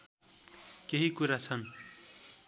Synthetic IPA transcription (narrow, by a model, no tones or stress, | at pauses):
keɦikuɾat͡sʰʌn